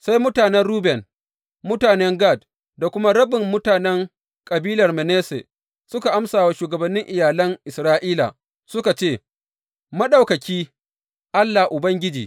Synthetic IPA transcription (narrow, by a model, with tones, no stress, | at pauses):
sa˦jmʊ˦taː˨nɛ˦nɽuː˦bɛ˨n | mʊ˦taː˨nɛ˦ŋɡaː˦˨d̚ | da˨kʷʊ˦ma˦ɽɐ˦bɪ˨mːʊ˦taː˨nɛ˦ŋ | kʼɐ˨biː˦lɐ˨rmɛ˨neː˦sḛ˨ | sʊ˦ka˨ʔa˦msaː˨wa˦ʃuː˨ɡɐ˨bɐ˨nːɪ˦ŋʔɪ˨jaː˨lɐ˦ŋʔɪ˨sɾaː˦ʔiː˦la̰˨ | sʊ˦ka˨t͡ʃeː˦˨ | mɐ˦ɗa˨wkɐ˨kʲiː˦ | ʔa˦lːa˨ʔʊ˨bɐ˦ŋɡʲɪ˦d͡ʒiː˨